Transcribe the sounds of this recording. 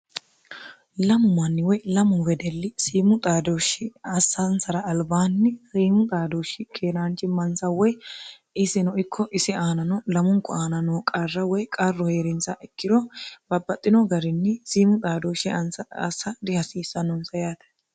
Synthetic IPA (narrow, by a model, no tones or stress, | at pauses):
lɐmʊmɐnːɪwɔjlɐmʊwɛd̪ɛlːɪsiːmʊt̪ʼaːd̪oːʃɪɐsːɐnsɐɾɐːlbaːnːɪsiːmʊt̪ʼaːd̪oːʃɪkʰeːɾaːnt͡ʃɪmɐnsɐwɔj | ɪsɪnɔʔɪkʰːɔʔɪsɪaːnɐnɔlɐmʊŋkːɔaːnɐnɔːkʼɐrːɐwɔjkʼɐrːɔheːɾɪnt͡sːɐʔɛkːɪd̪ɔbɐbːɐt̪ʼːɪnɔɡɐɾɪnːɛsiːmʊt̪ʼaːd̪oːʃɪɐnsɐːsːɐd̪ɪhɐsiːsːɐnɔnsɐjaːt̪ɛ̥